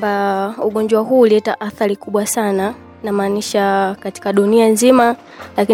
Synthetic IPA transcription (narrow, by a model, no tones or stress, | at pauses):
bauɠɔɲd͡ʒwaɦuːliɛtaʔaθaɾikuɓwasana | namaːniʃakati̥kaɗunianzima | laki